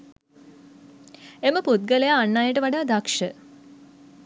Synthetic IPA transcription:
eməput̪̚ɡəlejaːnːaːjəʈəʋaɖaːd̪akʂə

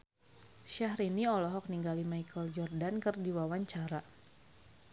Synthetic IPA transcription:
ʃahɾiniɔlɔɦɔk̚niŋɡalimaikəld͡ʒɔrdankɨrdiwawaɲt͡ʃaɾa

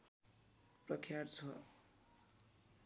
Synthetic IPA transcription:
prʌkʰjart͡sʰʌ

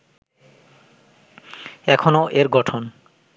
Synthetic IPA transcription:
ɛkʰonoʔeɾɡɔʈʰon

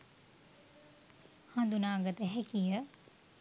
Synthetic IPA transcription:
hand̪unaːɡət̪əɦɛkijə

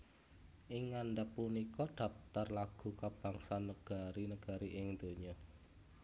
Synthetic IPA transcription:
ʔɪŋːanɖəpːunikɔɖ̪̥ä̤f̚t̪arlaɡ̥ṳkab̥aŋsanəɡ̥a̤ɾinəɡ̥a̤ɾiʔɪŋd̪̥o̤ɲɔ

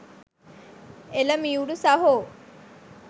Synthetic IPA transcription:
elɐmiuɽusɐɦoː

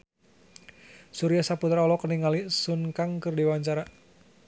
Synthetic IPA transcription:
suɾijasaput̪ɾaɔlɔkəniŋalisunkaŋkɨrdiwaɲt͡ʃaɾa

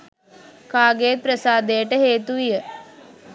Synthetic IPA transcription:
kaːɡejːt̪̚pɾəsaːd̪ejəʈəɦeːt̪uʋijə

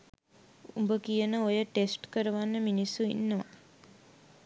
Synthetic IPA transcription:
ṵmbəkijənəojəʈesʈkəɾəʋanːəminisːuḭnːəʋa̰

